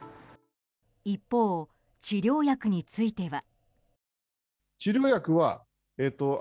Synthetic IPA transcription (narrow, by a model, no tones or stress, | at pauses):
ipːo̞ː | t͡ɕiɾʲo̞ːjakɯ̟ɲ̟it͡sɨit̪e̞βa | t͡ɕiɾʲo̞ːjakɯ̟βa | et̪ːo